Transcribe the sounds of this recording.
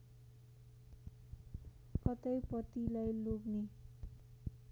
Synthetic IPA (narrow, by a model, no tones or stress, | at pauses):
kʌt̪ʌjpʌt̪ilajloɡne